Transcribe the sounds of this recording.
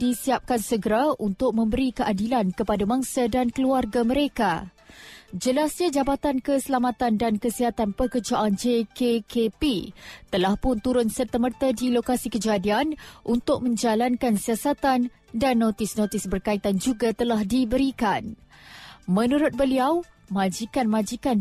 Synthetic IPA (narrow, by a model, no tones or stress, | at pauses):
disiap̚kansəɡəɾaʔunt̪ʊk̚mə̃mbəɾikəʔadilankəpadamãŋsadankəluarɡamə̃ɾeka | d͡ʒəlasɲad͡ʒabat̪ankəsəlamat̪andankəsiɦat̪anpəkəd͡ʒaʔand͡ʒekekepit̪əlahpʊnt̪uɾʊnsərt̪əmərt̪adilokasikəd͡ʒadianʔunt̪ʊk̚mə̃ɲd͡ʒalankansiasat̪an | danːot̪ɪsnõt̪ɪsbərkait̪and͡ʒuɡat̪əlahdibəɾikan | mə̃nuɾʊt̪̚bəliaw | mãd͡ʒikanmãd͡ʒikan